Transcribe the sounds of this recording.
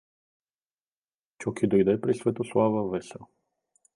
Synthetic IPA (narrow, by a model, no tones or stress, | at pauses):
t͡ʃɔkʰʲid̪ojd̪ɛpɾisvɛt̪oslˠavəvɛsʲə